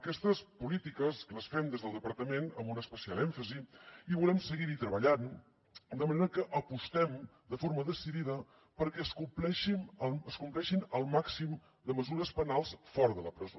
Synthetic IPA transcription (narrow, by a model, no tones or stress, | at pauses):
əkɛst̪əspulit̪ikəskələsfɛmd̪ezðəlˠd̪əpəɾt̪əmenəmbunəspəsialˠɛɱfəziiβulɛmsəɣiɾit̪ɾəβəʎan | d̪əməneɾəkəʔəpust̪ɛm | d̪əfoɾməðəsiðiðə | pəɾkɛəskumplɛʃimələskumplɛʃinəlˠmaksim | d̪əməzuɾəspənalˠsfɔɾðələpɾəzo